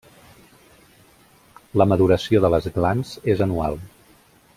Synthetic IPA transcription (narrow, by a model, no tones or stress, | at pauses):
ləməðuɾəsioðələzət̪lanz̥ezənua̰lˠ